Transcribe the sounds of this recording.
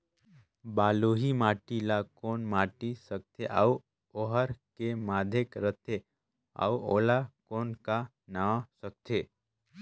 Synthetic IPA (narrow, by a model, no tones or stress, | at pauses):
baːloɦimaːʈilakoːnmaʈisək̚t̪ʰeʔa̰u | oɦəɾkemaːd̪ʱekɾət̪ʰe | a̰uolakoːnka | nasək̚t̪ʰe